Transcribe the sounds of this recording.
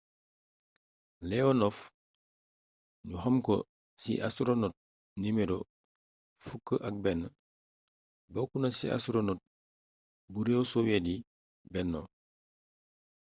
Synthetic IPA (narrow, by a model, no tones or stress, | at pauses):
lɛonof | ɲuhɐmko̰ | sḭʔasuɾonot̚ | nimeɾo | fukːəʔak̚bɛnə | bokunasḭa̰suɾonot̚ | buɾewosowedi | bɛnːo